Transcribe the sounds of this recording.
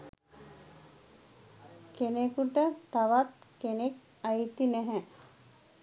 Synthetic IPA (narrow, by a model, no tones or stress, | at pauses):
kenekuʈət̪aʋat̪kenek | ajt̪inɛɦɛ